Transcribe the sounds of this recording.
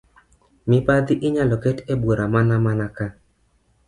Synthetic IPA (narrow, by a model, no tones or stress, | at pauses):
mɪpad̪ɪʔɪɲalɔkɛtebwoɾamanamanaka